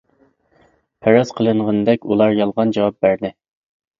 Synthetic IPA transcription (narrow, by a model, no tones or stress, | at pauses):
pʰæɾɑzqʰəlˠɨɴʁənd̪ɛkʲulˠɑɾjɑlˠʁɑnd͡ʒɑwɑp̚bæɾd̪ɪ